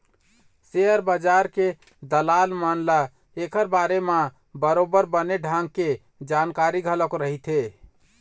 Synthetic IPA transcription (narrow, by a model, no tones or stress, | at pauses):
seəɾbəd͡ʒaɾke | d̪əlalmənla | ekəɾbaɾema | bəɾobəɾbəneɖʱãŋɡ̚ke | d͡ʒankaɾiɡʱələkɾəɦit̪ʰe